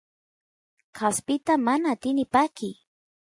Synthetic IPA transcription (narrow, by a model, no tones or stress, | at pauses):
kʰaspɪt̪amanaːt̪ɪnɪpakɪ